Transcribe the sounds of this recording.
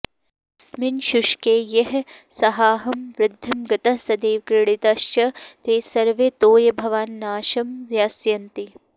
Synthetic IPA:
sminʃuʃkeːjɐɦsɐɦaːɦɐmʋɾɪd̪ʱːɐmɡɐt̪ɐsɐd̪eːʋkɾɪɽ̃it̪ɐʃt͡ʃɐt̪eːsɐɾʋet̪oːjɐbʱɐʋaːnːaːʃɐmɾjaːsjɐnt̪i

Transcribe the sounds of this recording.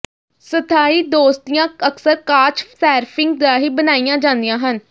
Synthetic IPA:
sət̪ʰaːiːd̪oːst̪ijãːəksəɾkaːt͡ʃsɛːɾpʰɪŋɡd̪aːɦiːbənaːijãːd͡ʒãːnd̪ijãːɦən

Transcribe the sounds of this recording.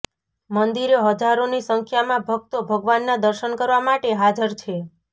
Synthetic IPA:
mənd̪iɾeɦəd͡ʒaɾonisəŋkʰjamãbʱək̚t̪obʱəɡʋanːad̪əɾʃənkəɾʋamaʈeɦad͡ʒəɾt͡ʃʰe

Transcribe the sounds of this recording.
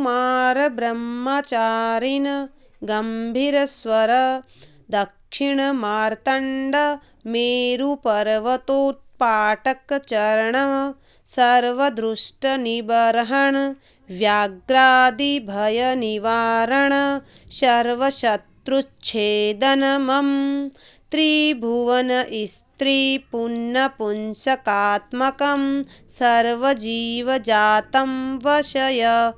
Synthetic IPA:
maːɾɐbɾɐmːaːt͡ʃaːɾinɐ | ɡɐmbʱiɾɐsʋɐɾɐ | d̪ɐkʂiɳɐmaːɾt̪ɐɳɖɐ | meːɾupɐɾʋɐt̪oːt̪̚paːʈɐkt͡ʃɐɾɐɳɐ | sɐɾʋɐd̪ɾuʂʈɐnibɐɾɦɐɳ | ʋjaːɡɾaːd̪ibʱɐjɐniʋaːɾɐɳɐ | ʃɐɾʋɐʃɐt̪ɾut͡ʃʰeːd̪ɐnɐmɐm | t̪ɾiːbʱuʋɐnɐʔist̪ɾipunːɐpunʃɐkaːt̪mɐkɐmsɐɾʋɐd͡ʒiːʋɐd͡ʒaːt̪ɐmʋɐʃɐjɐ

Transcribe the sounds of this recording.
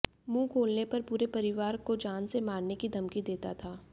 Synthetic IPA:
mũːkʰoːlnepɐɾpuːɾepɐɾɪʋaːɾkod͡ʒaːnsemaːɽnekid̪ʱɐmkid̪eːt̪at̪ʰaː

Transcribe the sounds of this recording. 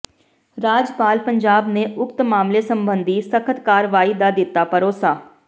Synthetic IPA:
ɾaːd͡ʒpaːlpəɲd͡ʒaːbneːʊkt̪maːmleːsəmbənd̪iːsəkʰət̪kaːɾʋaːiːd̪aːd̪ɪt̪ːaːpəɾoːsaː

